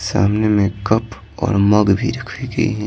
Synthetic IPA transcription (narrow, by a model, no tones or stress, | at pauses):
sa̰ːmnemẽkɐp | ɔ̰ːɾmɐɡbʱiɾɐkʰʋiɡɐḭɦɛ̃